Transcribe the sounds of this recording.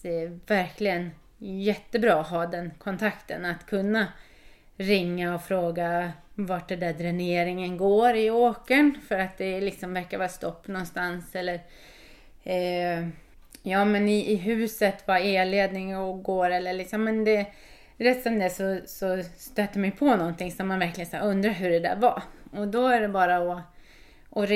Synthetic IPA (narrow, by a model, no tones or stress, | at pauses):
ɛvæɾkʰlɪɡən | jɛt̪ːəbɾɑːɦɑːd̪ɛnkʰɔnt̪ʰakt̪ʰə̰nat̪kʰɵnːa | ɾɪŋːaɔfɾoːɡavaʈ̚d̪ɛnd̪æd̪ɾɛneːɾɪŋənɡoːɾɪoːkəɳfœɾat̪̚d̪ɛlɪksɔmvæɾkaɾvɑːɾast̪ɔpːnɔnst̪ansɛlːəɾ | jɑːmɛnɪʔːɦʉ̟ːsət̪vaeːleːd̪nɪŋɔɡoːɾɛlːəɭɪksɔmːɛnd̪ɛ | ɾɛstɔmd̪ɛsɔsɔst̪øːt̪ːəmɛjpʰɔnɔnt̪ʰɪŋsɔmmːanvæɾklɪɡənsæɾɵnd̪ɾaɦɵɖɛd̪æ̰ɾvaɔd̪ɔæɖɛbɑːɾaɔ | ʔɔɾ